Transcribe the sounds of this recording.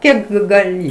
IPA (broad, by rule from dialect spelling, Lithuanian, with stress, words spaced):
ˈkʲiɛk ɡɐˈlʲɪ